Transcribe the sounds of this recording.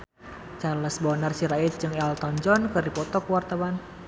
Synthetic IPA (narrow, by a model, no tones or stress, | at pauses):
t͡ʃaləsbɔnarsiɾait̪̚d͡ʒɨŋɛlt̪ɔnd͡ʒɔnkɨrdipɔt̪ɔkuwart̪awan